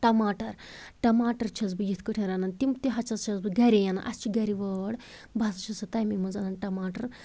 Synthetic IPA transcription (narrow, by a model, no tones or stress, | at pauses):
ʈɐmaːʈɐɾʈɐmaːʈɐɾt͡ʃʰɐzbɨjit̪ʰkɨʈʰʲɐɾanɐnt̪imt̪iɦɐt͡ʃʰɐst͡ʃʰɐzbɨɡɐɾʲejana̰ʔɐst͡ʃiɡɐɾiʋəɽ | basɐt͡ʃʰisɐt̪ɐjmimɨzɐnɐnʈɐmaːʈɐɾ